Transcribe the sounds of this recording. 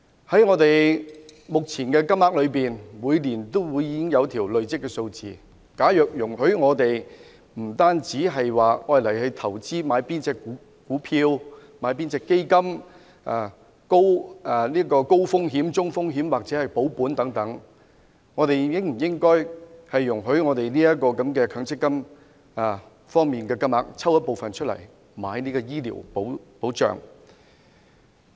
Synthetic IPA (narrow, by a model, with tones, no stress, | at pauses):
hɐ˨˥jŋɔː˨˧t̪e˨j | mʊ˨k̚t͡sʰiː˨˩nkɛː˧kɐ˥mlaː˧k̚lɵ˨˧ɥpiː˨nmuː˨˧jliː˨˩nt̪o˥wwuː˨˧jːiː˨˧˥kɪ˥ŋjɐ˨˧wt̪ʰiː˨˩wlɵ˨ɥt͡sɪ˥k̚ːɛː˧so˧wt͡siː˨ | kaː˨˥jœː˨k̚jʊ˨˩ŋhɵ˨˥ɥŋɔː˨˧t̪e˨j | m̩˨˩t̪aː˥nt͡siː˨˥ɦɐ˨jwaː˨˩ɔː˧˩jlɐ˨˩jhɐ˨˧ɥt̪ʰɐ˨˩wt͡siː˥maː˨˧jpiː˥nt͡sɛː˧kːu˨˥ | kuː˨˥pʰiː˧wmaː˨˧jp̬iː˥nt͡sɛː˧kːe˥jkɐ˥m | ʔaː˨˩ | ko˥wa˨liː˥kɔː˧ko˥wfʊ˥ŋɦiː˨˥mt͡sʊ˥ŋfʊ˥ŋɦiː˨˥mwaː˨k̚t͡sɛː˨˥hɐ˨˩jpo˨˥wpuː˨˥nt̪ɐ˨˥ŋt̪ɐ˨˥ŋ | ŋɔː˨˧t̪e˨jjɪ˥ŋm̩˨˩jɪ˥ŋkɔː˥jhɐ˨jːʊ˨˩ŋɦɵ˨˥ɥŋɔː˨˧t̪e˨jniː˥jɐ˥t̚kɔː˧kɐ˨˥mkɛː˧kʰœː˨˥ŋt͡sʰɪ˥kːɐ˥m | aː˨ | fɔː˥ŋmiː˨nkɛː˧kɐ˥mla̰ː˨˧k̚t͡sʰɐ˥wjɐ˥t̚po˨wfɐ˨nt͡ʃʰɵ˥t̚lɐ̰˨˩j | maː˨˥jniː˥kɔː˧jiː˥lḭ˨˩wpo˨˥wpo˨˥wt͡ʃœ̰ː˨ŋ